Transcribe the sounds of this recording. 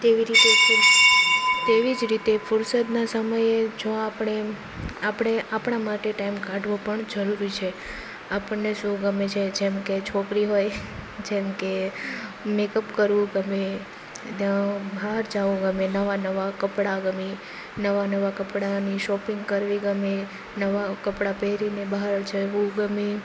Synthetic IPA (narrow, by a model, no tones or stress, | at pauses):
t̪eʋiɾit̪eʃu | t̪eʋid͡ʒɾit̪efʊɾsət̪nasəməjed͡ʒõapəɳ̃e | apɳ̃eʔapɽ̃amaʈeʈaimkãɖʱʋopəɳd͡ʒəɾuɾit͡ʃʰe | apəɳːeʃũɡəmet͡ʃʰed͡ʒemket͡ʃʰokɾiɦojd͡ʒemke | mekəpkəɾʋũɡəme | t̪jabaɦaɾd͡ʒaʋũɡəmenəʋanəʋakəpɽaɡəmi | nəʋanəʋakəpɽaniʃɔpĩŋɡkəɾʋiɡəme | nəʋakəpɽapeɾinebaɦaɾt͡ʃʰeʋũɡəmi